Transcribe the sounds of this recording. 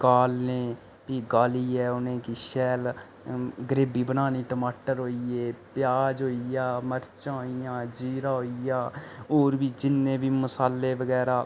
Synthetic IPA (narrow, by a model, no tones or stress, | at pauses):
kaːlneː | piːɡaːliːɛːʊnẽːkiːʃɛːl | ɡɾeːbiːbənaːniːʈəmaːʈəɾɦoːieːpɪjaːd͡ʒɦoːijaːməɾt͡ʃãːɦoijãːd͡ʒiːɾaːɦoijaːoːɾbiːd͡ʒɪnːẽːbiːmʊsaːlːeːbəɡɛːɾaː